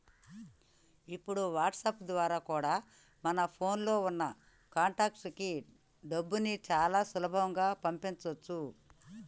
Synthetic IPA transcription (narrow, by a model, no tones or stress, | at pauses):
ipːuɽuʋaːʈsɐpd̪ʋaːɾaːkuːɽaː | mɐnɐpʰo̞ːnlo̞ːunːɐ | kaːɳʈaːkski | ɖɐbːunit͡ʃaːlaːsulɐbʱɐʋɐŋɡaːpɐmpint͡ʃɐt͡ʃːu